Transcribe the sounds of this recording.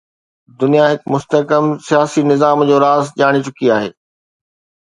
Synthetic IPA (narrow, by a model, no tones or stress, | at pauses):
d̪ʊnijaɦɪkmʊst̪əkəmsijaːsinɪzaːmd͡ʑoːɾaːzʄaːɽ̃it͡ɕʊkiaːɦḛː